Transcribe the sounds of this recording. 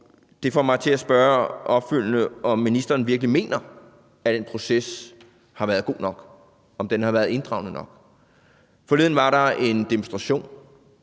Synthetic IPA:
d̥e̝fɒ̰ːmɑ̈ɪt͡sʰe̝læsb̥ɶːɐɒ̽b̥fyl̰nəɒ̽mːinisd̥ɐːnʋiɐɡ̥əlime̝̰ːnʔɐ | æd̥enpʰʁo̝ses | hɑ̈ʋæːɐð̞ˠɡ̥o̝̰ːnɒ̽ɡ̥ | ɒ̽md̥enhɑ̈ʋæɐðˠe̝nd̥ʁɑ̈ʊnənɒ̽ɡ̥ | fɒ̽leðˠn̩ʋɑ̈ɾɑ̈e̝nd̥imonsd̥ʁɑ̈ɕo̝̰ːn

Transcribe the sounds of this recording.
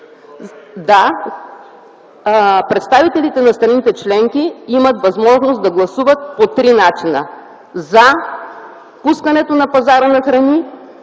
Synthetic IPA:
d̪a | pɾɛt̪st̪avit̪ɛlit̪ɛnɐst̪ɾɐnit̪ɛt͡ʃlɛŋkiimət̪vɐzmɔʒnosd̪ɐɡlˠɐsuvət̪̚pot̪ɾinat͡ʃinə̰ | za | puskɐnɛt̪onɐpɐzaɾənɐxɾɐni

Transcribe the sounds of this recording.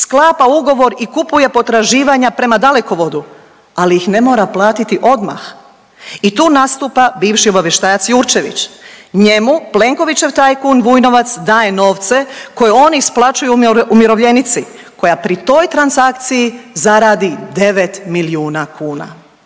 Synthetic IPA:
sklˠaːpauɡo̞ʋo̞ɾikupuje̞po̞t̪ɾaʒiːʋaɲapɾe̞mad̪ale̞ko̞ʋo̞d̪u | alijixne̞mo̞ːɾaplˠaːt̪it̪iʔo̞d̪ma̰x | it̪uːnast̪uːpabiːʋʃio̞baʋje̞ʃt̪aːjat̪sjuːɾt͡ʃe̞ʋḭt͡ʃɲe̞muple̞ŋko̞ʋit͡ɕe̞ʋt̪aːjkuːnʋuːjno̞ʋat̪sd̪aːje̞no̞ːʋt̪se̞ko̞jeo̞nisplˠat͡ʃujuumiɾo̞ʋʎe̞nit̪si | ko̞japɾit̪o̞jt̪ɾansak̚t̪sijizaɾaːd̪id̪e̞ʋe̞t̪miliuːnakuːna̰

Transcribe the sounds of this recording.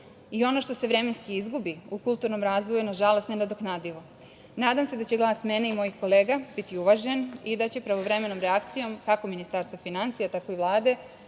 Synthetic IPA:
io̞no̞ʃt̪o̞se̞ʋɾe̞me̞nskiizɡubiukulˠt̪uɾno̞mɾaːzʋo̞juunaʒalost̪nenad̪oknaːd̪iʋo̞ | naːd̪amse̞d̪at͡ɕe̞ɡlˠaːsme̞ne̞imo̞jixko̞le̞ːɡab̥it̪iuʋaʒe̞nid̪at͡ɕe̞pɾaʋo̞ʋɾe̞me̞nomɾeakt̪sijo̞mk̪akominist̪aɾst̪ʋofinant̪ijat̪ako̞iʋlˠaːd̪e̞

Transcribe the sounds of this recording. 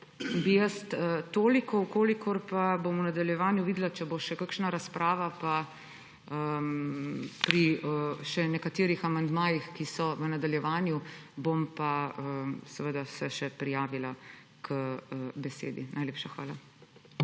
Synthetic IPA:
bijəst̪ət̪oːlikɔwkoːlikʰɔɾpabomunad̪aljɛʋaːnjuʋiːd̪lat͡ʃɛboʃɛkakʃnaɾaspɾʔaːʋapa | ə | pɾiəʃɛnɛkat̪eːɾixamand̪maːjixkisɔʋənad̪aljɛʋaːnjubompaəsɛʋəd̪asɛʃɛpɾijaːʋila | kʰəbɛsḛːd̪ḭnʔajleːpʃaxʋa̰ːla

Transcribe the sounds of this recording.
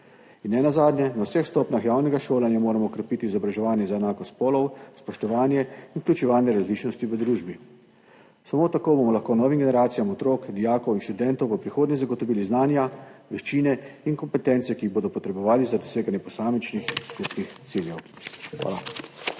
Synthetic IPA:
inːɛnazaːd̪njɛnawsɛxst̪ɔpnʲaxjaːwnɛɡaʃoːlanjamoːɾamɔːkɾɛpit̪iːzɔbɾaʒɛʋaːnjɛzaɛnaːkɔst̪pɔːlɔwspɔʃt̪ɔʋaːnjɛinuklʲut͡ʃɛʋaːnjɛɾazliːt͡ʃnɔst̪iʋəd̪ɾuːʒbi | samoːt̪akoːbomɔlaxkoːnɔːʋimɡenɛɾaːt̪sijamɔt̪ɾoːkd̪ijaːkɔwinʃt̪ud̪ɛnt̪ɔwʋəpɾixoːd̪nɲɛzaɡɔt̪ɔʋiːliznaːnjaʋɛʃt͡ʃiːnɛinkɔmpɛt̪ɛnt̪sɛkiːɣboːd̪ɔpɔt̪ɾɛbɔʋaːlizad̪ɔseːɡanjɛpɔsaːmit͡ʃnixskupnixt̪siljɛw | xʋa̰ːla

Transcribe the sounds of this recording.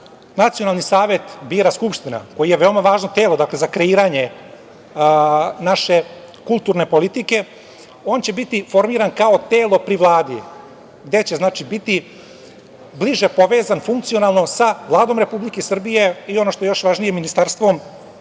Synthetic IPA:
nat̪sionalˠnisaːʋe̞t̪biːɾaskupʃt̪ina̰ko̞jijeʋe̞omaʋaːʒnot̪e̞ːlˠo̞d̪akle̞zakɾe̞iːɾaɲe̞ | naʃe̞ | kulˠt̪uːɾne̞po̞lit̪ike̞ | o̞ːnt͡ɕe̞bit̪ifo̞ɾmiːɾankao̞t̪eːlo̞pɾiʋlˠaːd̪i | ɡd̪e̞t͡ɕeznaːt͡ʃibit̪i | bliʒepo̞ʋe̞ːzanfuŋkt̪sio̞nalˠno̞saʋlˠaːd̪o̞mɾe̞publikesr̩bije̞io̞no̞ʃt̪oejo̞ʃʋaʒnijeminist̪aɾst̪ʋo̞m

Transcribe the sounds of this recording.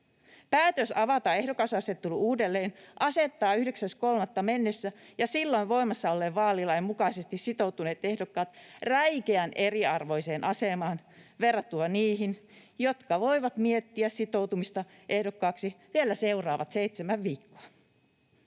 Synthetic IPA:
pæːt̪øsɑʋɑt̪ɑehdokɑsɑset̪ːuluuːdelːeːnʔɑset̪ːɑːyhdeksæskolmɑt̪ːɑmenːesːæjɑsilːo̞iʋʋo̞imɑsːɑolːeʋʋɑːlilːɑemukɑisest̪issit̪o̞wt̪une̞ːt̪ehdokːɑːt̪ræjkeænʔeriɑrʋo̞jseːnʔɑsemɑːn | ʋerːɑt̪ːuɑniːɦinjot̪kɑʋo̞iʋɑt̪miet̪ːiæssit̪o̞wt̪umist̪ɑ | ʔe̞hdokːɑːksiʋielːæsewrɑːʋɑt̪seit̪semæʋʋiːkːo̥ɑ

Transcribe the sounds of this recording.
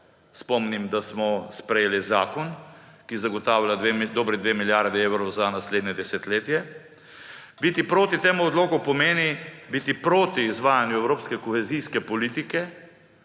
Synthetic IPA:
spɔmnimd̪asmɔspɾɛjeːlizaːkɔnkizaɡɔt̪aːwlʲad̪ɔːbɾɛd̪ʋeːmiljaɾd̪ɛeːwɾɔwzanasled̪nʲɛd̪ɛsɛt̪leːt̪jɛ | bit̪ipɾoːt̪it̪eːmuɔd̪loːkɔpɔmeːnibit̪ipɾot̪iːzʋaːjanjuɛwɾoːpskɛkɔxɛzijskɛpɔliːt̪ikɛ

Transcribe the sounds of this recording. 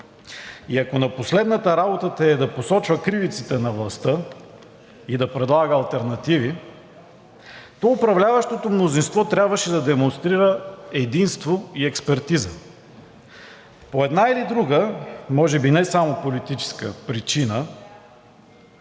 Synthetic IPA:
iɐkonɐposlɛd̪nət̪əɾabot̪ət̪ɐɛd̪ɐposɔt͡ʃvəkɾivit̪sit̪ɛnɐvlˠɐst̪ɤ | id̪ɐpɾɛd̪lˠaɡəːlˠt̪ɛɾnɐt̪ivi | t̪ɔʊpɾɐvlʲavɐʃt̪ot̪omnozinst̪vɔt̪ɾʲabvɐʃɛd̪ɐd̪ɛmonst̪ɾiɾəɛd̪inst̪voiɛkspɛɾt̪izə | poɛd̪nailid̪ɾuɡəmɔʒɛbinɛsamopolit̪it͡ʃɛ̥skəpɾit͡ʃinə

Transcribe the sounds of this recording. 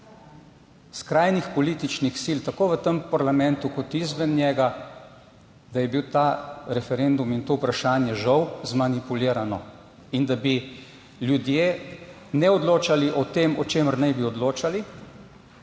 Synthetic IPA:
skɾaːjnixpɔliːt̪it͡ʃnixsilt̪akoːʋət̪əmpaɾlamɛ̃nt̪ukɔt̪izʋɛnːjɛːɡa | d̪ajɛbiwt̪aɾɛfɛɾend̪umint̪oːupɾaʃaːnjɛʒɐwzmanipuliːɾanɔ | ind̪abi | ljud̪je | nɛɔd̪loːt͡ʃaliʔɔt̪eːmɔt͡ʃeːməɾnɛjbiɔd̪loːt͡ʃali

